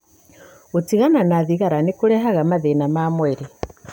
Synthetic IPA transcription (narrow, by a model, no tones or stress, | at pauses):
otiɣananaðiɣaɾanekoɾɛɦaɣamaðenamaːmwɛɾe